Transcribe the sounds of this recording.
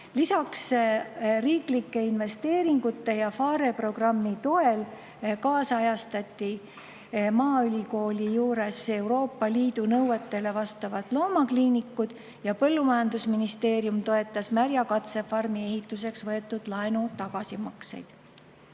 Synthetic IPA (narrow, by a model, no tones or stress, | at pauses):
lisɑks | riːklikːe̞inve̞st̪e̞ːɾiŋɡ̥ut̪ːe̞jɑfɑːɾe̞pro̞ɡ̥rɑmːit̪o̞e̞l | kɑːsɑjɑst̪ɑt̪ʲːˑi | mɑːylʲiko̞ːlʲijuːɾe̞se̞uɾo̞ːpːɑliːd̪unɤwwet̪ːˑe̞le̞vɑst̪ɑvɑt̪lo̞ːmɑkliːnikːud̪̥ | jɑpɤ̞lːumɑjɑnd̪usminist̪e̞ːɾjumt̪o̞e̞t̪ːˑɑsmæɾjɑkɑt̪se̞fɑrmie̞ɦit̪ːˑuse̞ksvɤe̞t̪ːˑud̪̥lɑenut̪ɑɡ̥ɑsimɑksḛjd̪̥